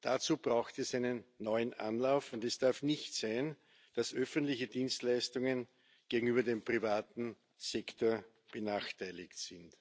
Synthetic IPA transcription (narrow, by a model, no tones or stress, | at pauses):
d̥at͡suːbʁaʊxtɛsæɪnənːɔʏənʔa̰nlaʊfʊntɛsd̥aɐfnɪçtsaɪn | d̥asʔœfəntlɪçədiːnstlæɪstʊŋən | ɡ̥eːɡŋ̩yːbɐdeːmpʁ̥ivaːtn̩ | sɛktʰoːɐ | b̥ənaːxtʰæɪlɪktsɪnt